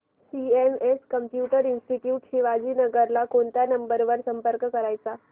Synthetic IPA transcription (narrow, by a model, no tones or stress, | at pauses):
siemeskəmpjuʈəɾinsʈiʈjuːʈɕiːʋad͡ʑiːnəɡəɾlakoɳt̪janəmbəɾʋəɾsəmpəɾkkəɾajt͡sa